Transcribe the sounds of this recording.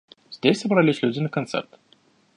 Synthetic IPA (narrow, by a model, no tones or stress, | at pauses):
zʲd̪ʲesʲsəbɾalʲɪsʲlʲud̪ʲɪnəkɐnt̪sɛ̰rt̪